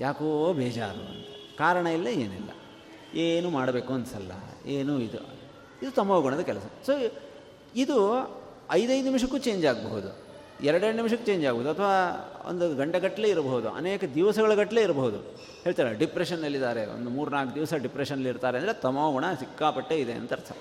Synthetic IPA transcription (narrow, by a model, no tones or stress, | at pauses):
jʔaːkoːbɛːd͡ʒa̰ːɾṵɐ̰nt̪ekaːɾɐɳɐilːɐeːnilːɐ̰ | eːnuːmaːɽɐbe̞ːkuɐnɐsɐ̰lːɐ̰eːnuid̪ṵ | id̪ut̪ɐmɐʋɡɐɳɐd̪ɐkɛlɐsɐsoː | id̪u | ɐjd̪ɐjd̪unimʂɐkːuːt͡ʃe̞ːɲd͡ʒaːɡɐbɐɦud̪ṵ | ɛɾɐɽeɾɽnimʃɐkːet͡ʃe̞ːɲd͡ʒaːɡɐboɦud̪uɐt̪ʰɐʋaːo̰nd̪uɡɐɳʈɐɡɐʈːɐleːiɾɐbɐɦud̪ṵɐ̰neːkɐd̪iʋɐsɐɡɐɭɐɡɐʈːɐle̞ːiɾɐbɐɦud̪ṵ | ɦeːɭt̪aːɾɐɖipɾeʂɐnːɐlːid̪aːɾeo̰nd̪umuːɾnaːk̚d̪iʋɐsɐɖipɾeʂɐnːɐlːiɾt̪aːɾend̪ɾet̪ɐmɐʋɡɐɳɐsikːaːpɐʈːeid̪eɐ̰nt̪ɐɾɐsɐ̰